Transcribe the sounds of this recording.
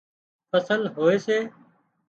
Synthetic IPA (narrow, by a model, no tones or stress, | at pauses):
fʰəsəlɦoːeːseː